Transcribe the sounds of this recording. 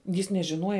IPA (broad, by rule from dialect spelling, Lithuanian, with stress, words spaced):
jɪs nʲɛʒʲɪˈnuɔjɛ